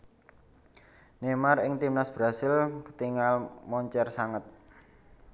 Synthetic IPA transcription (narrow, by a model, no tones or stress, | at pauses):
nemarɪŋt̪imnasb̥ɾasɪlkə̥t̪iŋalmɔɲt͡ʃɛrsaŋət̪̚